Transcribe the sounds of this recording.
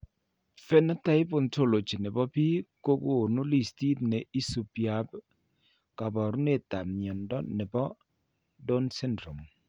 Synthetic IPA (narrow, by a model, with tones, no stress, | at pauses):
fɛ˦na˦ta˦ɪ˦po˦˨nto˦˨lo˨t͡ʃi˨nɛ˨bɔ˦pi˦ko˦ku˦o˨nu˦li˨sti˦tne˨i˦su˨pja˨b | ka˨bɔ˨ɾu˦ne˦˨ta˨mjɔ˨ndɔ˦nɛ˨bɔ˦ | do˦nsɛ˦ndɾo˨m